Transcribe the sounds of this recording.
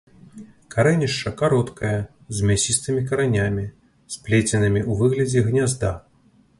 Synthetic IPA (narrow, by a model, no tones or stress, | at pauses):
kaɾɛnʲiʂt͡ʂɐkaɾɔt̪kʰɐjɐ | zʲmʲasʲist̪ɨmʲikɐɾanʲamʲi | splʲet͡sʲɐnɨmʲiʔuvɨɣlʲɐd͡zʲɛɣnʲazd̪a